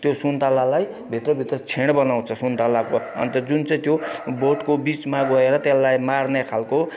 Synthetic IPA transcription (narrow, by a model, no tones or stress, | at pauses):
t̪josunt̪alalaj | bʱit̪rʌbʱit̪rʌt͡sʰeɽ̃bʌnaw̃t͡sʰʌsunt̪alakoʌ̰nt̪ʌd͡zunt͡sʌj̃t̪joboʈkobit͡smaɡʌeɾʌt̪jelːajmarnekʰalko